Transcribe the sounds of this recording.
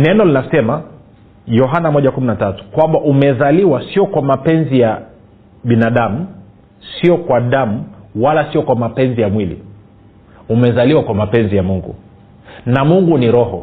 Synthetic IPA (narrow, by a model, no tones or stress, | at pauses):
nɛnɔlinasɛma | jɔɦanamɔʄakuminatatu̥kwambaʔumɛzaliwasiɔkwamapɛnzija | ɓinaɗamu | siɔkwaɗamuwalasiɔkwamapɛnzijamwilḭ | umɛzaliwakwamapɛnzijamuŋɡṵ | namuŋɡuniɾɔhɔ